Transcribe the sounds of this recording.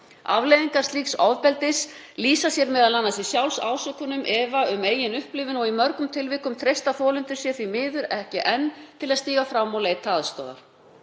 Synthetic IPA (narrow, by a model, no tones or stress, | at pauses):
a̰vlejðiŋkaɾ̥st̪iːksavpɛlt̪ɪs | liːsasjɛɾmɛðalanːasisjawlsa̰ːwsœkːʏnʏmʔɛvaʏmeːjɪnʏhplɪvɪnɔɣimœɾkʏmt̪ʰɪlvɪːkʏmt̪ʰɾejst̪aθɔːlʏnt̪ɪɾ̥sjɛ̥θvimɪːðʏɾɛhcɪʔɛnːt̪ʰɪlaðst̪iːɣafɾamːɔleːjt̪ʰaːðst̪ɔ̰ːða̰ɾ̥